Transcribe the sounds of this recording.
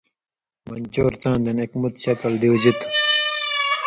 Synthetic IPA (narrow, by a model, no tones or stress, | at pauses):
mɐnʲt͡ɕoːɾt͡sãːnd̪ɐnekmut̪ɕɐt̪ɐld̪iwd͡ʑit̪